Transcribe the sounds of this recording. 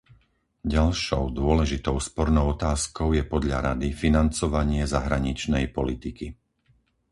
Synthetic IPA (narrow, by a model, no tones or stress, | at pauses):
ɟalʃɔʊd̪ʊɔlɛʒit̪ɔʊspɔɾnɔʊɔt̪aːskɔʊjɛpɔd̪ʎa̰ɾad̪ifinant͡sɔʋaɲɪɛzaɦɾaɲit͡ʃnɛjpɔlit̪iki